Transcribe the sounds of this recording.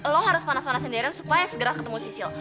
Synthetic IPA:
lɔɦaɾʊspanaspanasəndɛɾansu̥pajasəɡəɾahkət̪əmusisil

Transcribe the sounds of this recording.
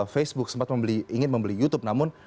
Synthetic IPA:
fesbʊk̚səmpat̪məmbəliiŋɪn̚məmbəlijut̪ʊp̚namʊn

